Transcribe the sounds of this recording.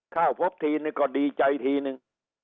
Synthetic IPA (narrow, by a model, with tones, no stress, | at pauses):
kʰaː˥˩wpʰo˦˥p̚t̪ʰiː˧nɨ˧ŋkɔː˧˩ɗiː˧t͡ɕa˧jt̪ʰiː˧nɨ˧ŋ